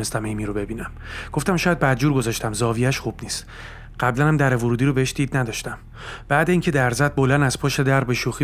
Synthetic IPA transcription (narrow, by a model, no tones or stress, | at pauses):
nest̪æmejmiːɾobe̞biːnæmɡ̥o̞ft̪æmʃɒːjæd̪̚bæd̪̚d͡ʒuːɾɡo̞zɒʃt̪ʰæmzɒːvijæʃχub̥niːst̪ | ɢ̥æblænæmd̪æɾevoɾuːd̪iɾobeeʃd̪̥iːd̪næd̪ɒʃt̪æm | b̥æːd̪eiːŋcʲʰe̞d̪æɾzæt̪̚bolænæz̥pʰoʃe̞d̪æɾbe̞ʃuːxi